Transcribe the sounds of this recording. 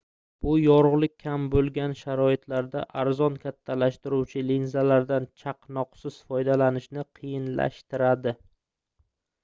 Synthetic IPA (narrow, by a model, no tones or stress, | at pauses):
b̥ʊjɒɾʊʁlˠɪk̚ʲʰːambolˠɡʲanʃaɾɒɪt̪ʰlaɾd̪a̰ʔaɾzɒnkʲʰat̪ʰːalaʃt̪ɪɾuwt͡ʃʰɪlinzalaɾd̪ant͡ʃʰaqnɒqsɪz̥fɒjd̪alanɪʃnɪqʰɨjɪnla̰ʃt̪ɪɾad̪ɪ